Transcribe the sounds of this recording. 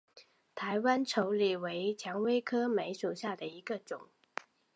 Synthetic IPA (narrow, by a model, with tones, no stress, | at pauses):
t̪ʰa˧˥ɪwa˥nʈ͡ʂʰo˧˥ʊli˨˩we˧˥ɪt͡ɕʰjɑ˧˥ŋwe˥ɪkʰɤ˥me˧˥ɪʂu˨˩ʊɕja˥˩d̪ə˩i˧˥ɡə˧ʈ͡ʂʊ˨˩˦ŋ